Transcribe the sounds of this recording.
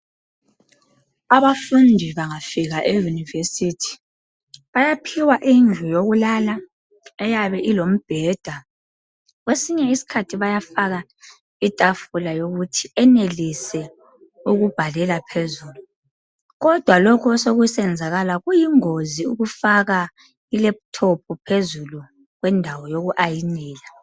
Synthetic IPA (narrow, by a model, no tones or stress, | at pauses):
aβafundʱiβaŋafiɣaʔejunivesitʰi̥ | βajapʰiwaʔind͡ɮʱujoɣulala | ɛjaβɛʔilom̩b̥ʱɛːd̥ʱa | ɣwesiɲɛisi̥kʰatʰiβajafaɣa | itʼafulajoɣutʰiɛnelisɛ | uɣub̥ʱalɛlapʰezuːlu | ɣɔd̥ʱwalɔkʰɔsoɣusɛnd͡zʱaɣalaɣujiŋoziuɣufaɣa | ilɛβutʰɔpʰɔpʰezulu | ɣwɛndʱawɔjoɣuʔajinɛːla